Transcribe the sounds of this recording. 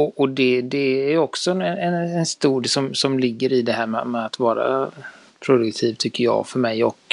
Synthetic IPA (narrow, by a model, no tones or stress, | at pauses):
ɔʔɔd̪ɛd̪ɛæɾjɔksɔɛnɛnɛnɛnst̪uːd̪sɔmsɔmlɪɡːəɾɪd̪ɛɦæːɾmɛ̰mɛat̪vɑːɾa̰ | pʰɾʊd̪ɵkt̪ʰiːvt̪ʰʏkːəɾjɑ̰ːfœɾmɛjɔk